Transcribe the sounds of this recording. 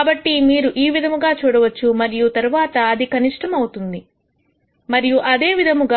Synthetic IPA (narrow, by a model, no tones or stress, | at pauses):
bɐʈːimiːɾuʔiːʋid̪ʱɐmuɡaːt͡ʃuːɽɐʋɐt͡ʃːumɐɾijut̪ɐɾuʋaːt̪ɐːd̪ikɐniʂʈʰɐmɐwut̪und̪i | mɐɾijuʔɐd̪e̞ːʋid̪ʱɐmuɡ